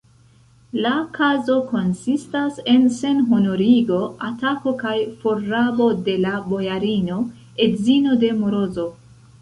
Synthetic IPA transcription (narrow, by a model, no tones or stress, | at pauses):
lakʰazo̞ko̞nsistase̞nse̞nɦono̞ɾiɡo̞atako̞kajfoɾabo̞de̞labo̞jaɾino̞ | e̞dzino̞de̞moɾo̞zo̞